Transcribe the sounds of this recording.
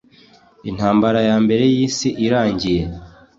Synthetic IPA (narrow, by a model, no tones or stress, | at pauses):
in̥haːmbaɾajaːmbe̞ɾe̞jiːsiʔiɾaːɲɟije̞